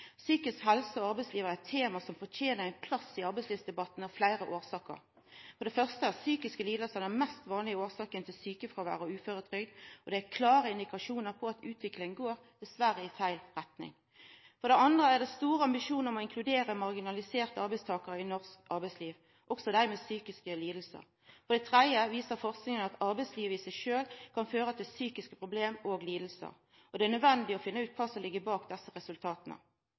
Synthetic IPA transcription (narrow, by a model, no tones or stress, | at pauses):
syːkəskɦɛlsəɔɑʁbɛɪsliːʋəʁəæt̪ʰːeːmɑsɔmfɔt̪ʰeːnəʁæɪnpʰlɑsːɪɑɾbɛɪsliːʋsd̪ɛbɑt̪ːn̩ɑflæɪʁəʔoːsɑːkə̰ʁ | fɔɾd̪ɛfœʁst̪əæsyːkɪskəliːd̪əlsɑnæmɛst̪ʋɑːnlɪoːsɑːkənt̪ʰɪlsyːkəfʁoʋæ̰ːʁəɔʉːføːɾət̪ʰɾʏɡd̪ɔd̪ɛækʰlɑːɾəɪnd̪ɪkɑʂuːnəɾpʰɔɑt̪ʉːt̪ʰʋɪklɪŋənɡoːɾd̪̥ɛsʋæɾəɪfæɪlʁɛt̪nɪ̰ŋ | fɔʁd̪ɛɑnd̪ʁəæʁd̪ɛst̪uːʁəɑmbɪʃuːnəɾɔmɔɪŋkʰlʉd̪eːʁəmɑʁɡɪnɑlɪseːʁt̪əɑʁbɛɪst̪ʰɑːkəɾəɪnɔʁskɑʁbɛɪsliːʋ | ʔɔɡsɔd̪æɾmeːsyːkɪskəliːd̪l̩sə̰ʁ | fɔʁd̪ɛt̪ʰʁɛd̪jəʋiːsəɾfɔʁsknɪŋənɑt̪ɑʁbæɛɪsliːʋəɪsæɪʃøːlkʰɑnføːʁət̪ʰɪlsyːkɪskəpʰʁʊbleːmoːɡliːd̪l̩sə̰ʁ | ʔɔd̪ɛænœd̪ʋɛnd̪ɪɔfɪnːəʉːt̪̚kʰɑːsɔmlɪɡːəbɑːkd̪ɛsːəʁɛsʉlt̪ʰɑːt̪nə̰